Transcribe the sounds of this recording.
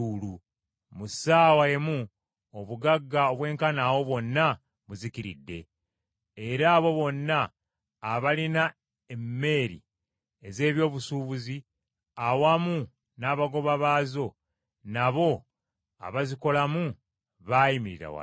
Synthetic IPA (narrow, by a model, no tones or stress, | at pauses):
ulu | musaːwaemu | oβuɡaɡːaoβwe̞ːŋkanaːwo̞βwo̞nːa | βuzikiɾḭdːe̞̰ | eɾaːβo̞βo̞nːaː | βalina | emːe̞ːɾḭ | eze̞ːβjo̞ːβusuːβuzi | awamu | naːβaɡo̞βaβaːzo̞ | naβo̞ | a̰βaziko̞lamu | βajimiɾiɾa̰wa̰